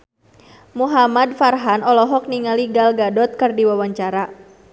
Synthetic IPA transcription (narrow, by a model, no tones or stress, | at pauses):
muɦamadfarɦanɔlɔɦɔk̚niŋaliɡalɡadɔt̪̚kɨrdiwawaɲt͡ʃaɾa